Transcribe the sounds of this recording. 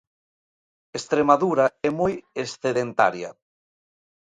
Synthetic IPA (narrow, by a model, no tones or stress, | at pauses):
est̪ɾemaðuɾaɛmojesθeðent̪a̰ɾja̰